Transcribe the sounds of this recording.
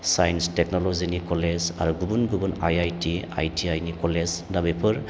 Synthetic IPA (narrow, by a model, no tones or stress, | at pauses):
sajinstek̚nolozinikɔleza̰ɾuɡubunɡubunajajtia̰jtʰiajnikɔleznabepʰɯɾ